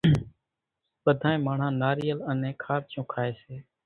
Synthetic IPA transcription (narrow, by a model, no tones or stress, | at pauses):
ɓəd̪ʱaːẽːmaːɳ̤ãːnaːɾiːjələnẽːkʰaːɾt͡ʃõːkʰaːeːseː